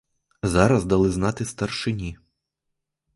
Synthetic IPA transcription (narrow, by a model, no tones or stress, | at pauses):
zaɾɐzd̪ɐlˠɪznat̪ɪst̪ɐrʂɪnʲi